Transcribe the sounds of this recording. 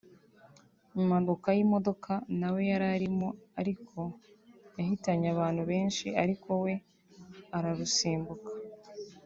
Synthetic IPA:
imaɡokajimo̞do̞kʰanawe̞jaɾaɾimoaɾikʰo̞ | jahitaɲaβaːn̥huβe̞ːnʃiaɾikʰo̞we̞ | aɾaɾusiːmbukḁ

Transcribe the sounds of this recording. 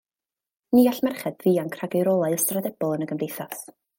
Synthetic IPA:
niːaɬmɛrχɛdviːankʰraɡɪɾɔlˠaɨstradɛb̥ɔlˠənəɡəmdejθas

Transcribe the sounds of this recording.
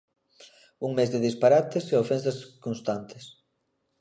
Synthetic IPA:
uŋmezðɪðispaɾat̪eseofɛnsɐskonst̪ant̪ɪ̥s

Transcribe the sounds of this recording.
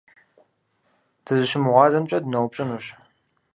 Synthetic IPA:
tʰɨzɨʃɪmʁʷɑːzɐmt͡ʃʼɐdnɐwpʼɕʼɪnuːɕ

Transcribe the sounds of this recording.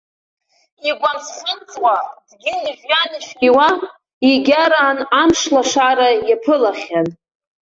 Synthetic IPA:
iɡʷansχənt͡sʼwad̥ɡʲɪiʒjanɨʃᶣɡʲiwa | iɡʲaɾaːnamʂlaʂaɾajapʰɨlaχʲan

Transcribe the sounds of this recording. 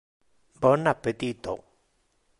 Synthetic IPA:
bənapet̪it̪o

